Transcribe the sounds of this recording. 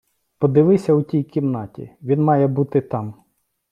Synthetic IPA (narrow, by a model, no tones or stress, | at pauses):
pɔd̪ɪʋɪsʲɐutʲijkʲimnɑtʲḭʋʲinmɑjɛbut̪ɪt̪ɑm